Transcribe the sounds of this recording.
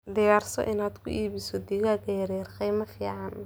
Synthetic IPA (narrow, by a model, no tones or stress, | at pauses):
d̪ɪjaːrsɔ̰ʔɪnaːd̪kʰʊ̰ʔiːβɪsɔd̪iɣaɡɛɾɛrqijmɐfḭːʕɑn